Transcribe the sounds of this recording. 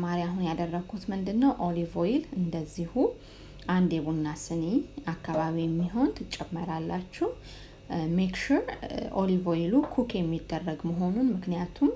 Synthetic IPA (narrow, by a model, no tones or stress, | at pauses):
maɾiaɦunjad̪ərːəɡʰut̪mɨnd̪ɨnːəwʔo̞livo̞jilɨnd̪əzːihu | ʔand̪eβunːasɨneakːaβaβijɛmːiɦo̞nt̪ʰɨt͡ʃʼːɛmːəɾalːat͡ʃːɛh | mekʃuɾʔo̰livojilukʰukʰjɛmːid̪ːərːəɡməɦo̞nunmɨknijat̪ʰum